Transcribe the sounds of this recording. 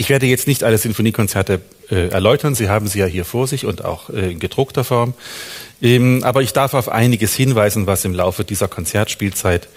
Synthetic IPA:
ʔɪçv̥eːɐdəjɛt͡stnɪçtʔaləzʏnfoniːkʰɔnt͡sɛɐtə | ʔɛːʔɛ̰ɐlɔʏtʰɐnziːɦaːbm̩ziːjaːɦiːɐfoːɐzɪçʊnta̰ʊxʔɛːɪnɡəd̥ʁʊktɐfɔɐmʔɛːmʔa̰ːbɐɪçd̥aɐfaʊfʔa̰ɪnɪɡəshɪnvaɪzn̩vasɪmlaʊfədiːzɐkʰɔnt͡sɛɐtʃpiːlt͡saɪt

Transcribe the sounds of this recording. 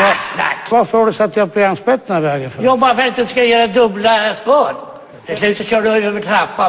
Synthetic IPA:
ɔsna̰kt̪vafoːɖɵsɔat̪̚d̪ablɪanspɛt̪ːnaɾvɛːɡənfœjɔbɑːɾfɛnt̪ːskajœːɾad̪ɵblaspoːɾ | t̪ʰɪslʉ̟ːt̪sɔɕœːɖʉøːvəʈʰɾapːa

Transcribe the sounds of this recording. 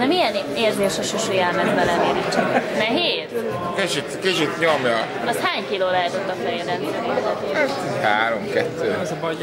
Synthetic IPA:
nɛmijɛneːrzeːʃoʃoʃujalmɛzbɛlɛneːɾit͡ʃːɛknɛɦeːz | ket͡ʃit̪kit͡ʃit̪ɲomjɒ | ɒst̪haːɲkiloːlɛɦɛt̪ot̪ːɒfɛjɛd̪ɛliɾɛmizɛt̪eːhaːɾomkɛt̪ːøː

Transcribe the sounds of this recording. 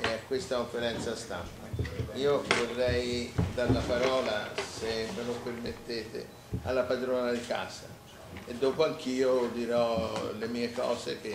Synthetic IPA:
akːwest̪akoɱfeɾɛnt̪sast̪ampaiːovorːɛjd̪alːapaɾɔːlasemelopermet̪ːeːt̪ḛ | a̰lːapad̪ɾoːnad̪ika̰ːza̰ | ed̪ːoːpoaŋk̟iːod̪iɾɔlemiːekɔ̰ːseke

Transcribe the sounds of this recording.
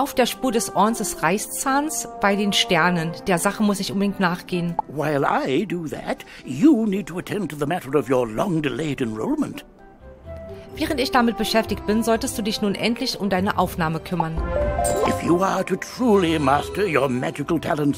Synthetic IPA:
ʔaʊfd̥eːɐʃpuːɐdɛsʔɔɐnsd̥ɛsʁaɪst͡saːnsb̥aɪdeːnʃtɛɐnənd̥eːɐzaχəmʊsɪçʔʊnbədɪŋtnaːχɡ̥eːənwaɪlˠa̰ɪdəðæ̰t | jənid̚tʰəətʰɛ̃ntʰəðəmæɾə˞ʌvjə˞lɔ̃ŋdɪleɪɾɨ̃nɹo̰ʊlˠmə̰̃nt | vɛːʁ̞əntɪçd̥amɪt̚b̥əʃɛftɪkt̚b̥ɪnzɔltəst̚d̥uːdɪçnuːnʔɛntʰlɪçʊmdaɪnəʔaʊfnaːməkʰʏmɐnɪfjəəɾɨtʰɹ̥ulˠimæstə˞jə˞mɛd͡ʒɨkl̩ˠtʰælˠə̃nts

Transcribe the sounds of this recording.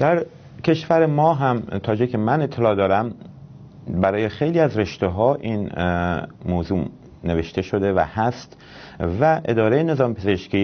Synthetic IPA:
d̪̥æɾ | cʰe̞ʃvæɾemɒːɦæmt̪ʰɒːd͡ʒekʰemænet̪ʰːe̞lɒːd̪ɒːɾæm | bæɾɒːje̞xejliːæzɾe̞ʃt̪eɦɒːʔin | moːzuː | ne̞ve̞ʃt̪e̞ʃo̞d̪e̞væ̰hæst̪ | væʔed̪ɒːɾejene̞zɒːmpʰeze̞ʃciː

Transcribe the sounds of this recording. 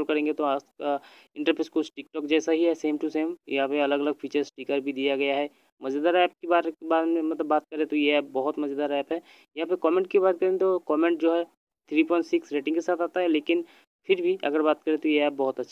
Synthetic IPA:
lkɐɾẽːŋɡet̪oaːka | ɪ̃ɳʈəɾpʰeːskosʈɪkʈɔːkd͡ʒɛːsaɦiɦɛseːmʈuseːmjɐ̰ɦãpeɐləɡɐləɡfʰiːt͡ʃəɾsʈiːkəɾbʱid̪ijaɡɐjaɦɛ | mɐd͡ʒəd̪aːɾɛːp̚kebaːɾbaːdmẽmɐt̪ləbːaːt̪̚kɐɾẽt̪ojeɛːp̚bɐɦʊt̪mɐd͡ʒəd̪aːɾɛːpɦɛː | jɐɦãːpekɔːmẽːɳʈkibaːt̪̚kɐɾẽt̪okɔːmẽɳʈ̚d͡ʒoːɦɛ | t̪ʰɾiːpʰɔ̃ːɳʈsɪksɾeːʈɪ̃ŋkesaːt̪aːt̪aɦɛleːkɪn | pʰɪɾbʱiʔɐ̰ɡəɾbaːt̪̚kɐɾẽt̪ojeɛːp̚bɔɦʊt̪ɐtːʃʰ

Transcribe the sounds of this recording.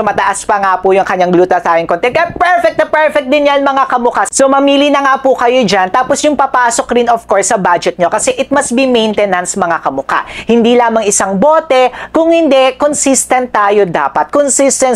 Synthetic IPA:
mɐt̪ɐʔaspɐŋapʊjʊŋkɐɲːaŋɡluːt̪ɐt̪aːjoŋkont̪ɛn̚kɐpɛɹfɛk̚t̪ɐpɛɹfɛk̚d̪ɪnjanmɐŋakɐmʊkasomɐmiːlinɐŋaːpʊkɐjod͡ʒant̪aːposjʊŋpɐpaːsokɾɪnofkoɹsːɐbad͡ʒɛt̪̚ɲo̞kɐsɛʔɪt̪̚mɐsbimɛjnt̪ɛnɐnsɐmɐŋakɐmʊka̰hɪnd̪ilaːmɐŋɪsaŋboːt̪ɛkʊŋhɪnd̪ɛkonsist̪ɐnt̪ːaːjo̞d̪a̰ːpɐt̪̚konsist̪ɛn

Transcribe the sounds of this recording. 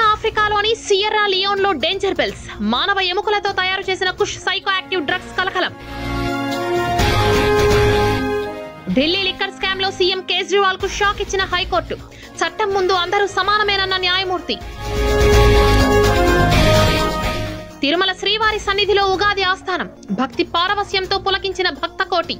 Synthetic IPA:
aːpʰɾikaːlo̞ːnisijɐɾaːlijoːnlo̞ːɖe̞ːɲd͡ʒɐɾbels | maːnɐʋɐemukɐlɐt̪o̞ːt̪ɐjaːɾut͡ʃe̞ːsinɐkuʂsɐjkoaːk̚ʈiʋɖɾɐɡskɐlɐkɐlɐm | ɖilːiːlikːɐɾskaːmlo̞ːsijemkeːsɾiʋaːlkuʂaːkit͡ʃːinɐɦɐjko̞ːɾʈu | t͡ʃʰɐʈːɐmːund̪uɐnd̪ɐɾuːsɐmaːnɐmɐjnɐnːɐnjaːjɐmuːɾt̪i | t̪iɾumɐlɐʃɾiːʋaːɾisɐnːid̪ʱilo̞ːuɡaːd̪iaːst̪ʰaːnɐm | bʱɐk̚t̪ipaːɾɐʋɐsjɐmt̪oːpulɐkiɲt͡ʃinɐbʱɐk̚t̪ɐkoːʈi

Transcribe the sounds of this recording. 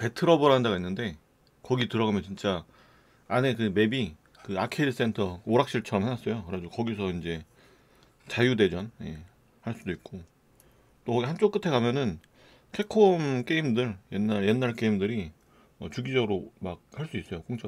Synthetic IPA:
pe̞tʰɯɾʌbɯɾɦandaɣainːɯnde̞ | kʌɡitɯɾʌɣamjʌnt͡ɕint͡ɕ͈a | ane̞kɯme̞bi | kɯakʰedɯs͈e̞ntʰʌoɾak̚ɕ͈iɭt͡ɕʰʌɾʌmhenwas͈ʌjokɯɾad͡ʑukʌɡisʰʌind͡ʑe̞ | t͡ɕajude̞d͡ʑʌnje̞̰ | haɭs͈udoik̚k͈o | t͈oʌɡihant͡ɕ͈ok͈ɯtʰe̞kamjʌnɯn | kʰe̞kʰomk͈e̞imdɯɭjenːaɭje̞nːaɭk͈e̞imdɯɾi | ʌt͡ɕuɡid͡ʑʌɡɯɾomak̚haɭs͈uis͈ʌjok͈oŋt͡ɕ͈a

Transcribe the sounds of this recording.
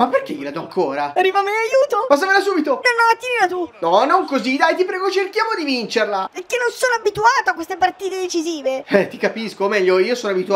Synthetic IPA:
mapːerk̟ejilad̪ɔaŋkʰoːɾaarːiːvamenajuːt̪opas̬amelasuːbit̪odanamat̪ːininat̪unɔnoŋkozid̪ajt̪ipɾɛːɡot͡ʃerkjaːmod̪ivint͡ʃerlapeɾkːenːonsoːnoabit̪uaːt̪oakːwest̪epart̪iːt̪ed̪et͡ʃiziːveɛt̪ikapiskoːmɛʎːoiːosoːnoabit̪ua

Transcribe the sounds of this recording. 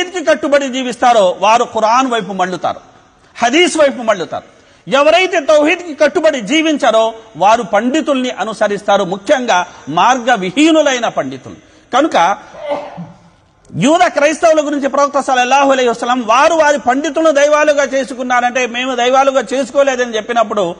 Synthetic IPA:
d̪kikɐʈːubɐɽid͡ʒiːʋist̪aːɾo̞ːʋaːɾuquɾaːnʋɐjpumɐɭːut̪a̰ːɾu | hɐd̪iːsʋɐjp̬umɐɭːut̪a̰ːɾu | ɛʋɐɾɐjt̪e̞ːt̪ɐwɦiːd̪kikɐʈːubɐɽid͡ʒiːʋiɲt͡ʃɐɾoːʋaːɾupɐɳɖit̪ulɐniʔɐnusɐɾist̪aːɾumukʰjɐŋɡaːmaːɾɡɐʋiɦiːnulɐjnɐpɐɳɖit̪ṵlu | kɐnukɐ | juːd̪aːkɾɐjst̪ɐwulɐɡuɾiɲt͡ʃipɾɐbuk̚t̪ːɐsɐlɐlːaːɦuɐlɐjɦɐsɐlːɐmʋaːɾuʋaːɾipɐɳɖit̪ulɐnid̪ɐjʋaːluɡaːt͡ʃe̞ːsukunːaːnɐɳʈe̞ːme̞ːmud̪ɐjʋaːluɡaːt͡ʃe̞ːs̬u̥koːle̞ːd̪ɐnit͡ʃe̞pːinɐp̬ːuɽu

